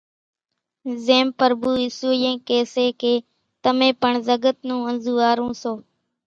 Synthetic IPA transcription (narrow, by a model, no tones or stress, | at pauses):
zeːmpəɾbuːɪsuːjẽːkeːseːkeː | t̪əmẽːpəɳzəɡət̪̚nũːənzuːaːɾũːsoː